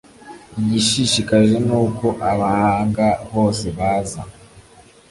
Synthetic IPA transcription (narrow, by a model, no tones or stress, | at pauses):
iɟiʃiʃikaʒe̞nuːko̞ʔaβahaːŋɡaho̞ːse̞βaːza̰